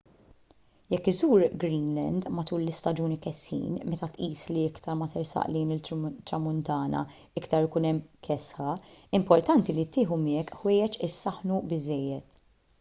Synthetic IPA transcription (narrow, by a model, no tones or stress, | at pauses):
jɛkːɪzuːɾɡɾiːnlɛ̰nd̪mɐt̪uːlːɪst̪ɐd͡ʒuːnikɛshḭːnmɛt̪ɐt̪ʔiːsliɪkt̪ɐɾmɐt̪ɛɾsɐ̰ʔlɛjnɪt̪ːɾɐmʊnt̪ɐːnɐ̰ | ɪkt̪ɐɾɪkuːnɛmːkʰɛsħɐɪmpɔɾt̪ɐnt̪ilit̪ːɪːħumɪɛkːħwɛːjɛt͡ʃɪsːɐħnubɪzɛjːɛt̪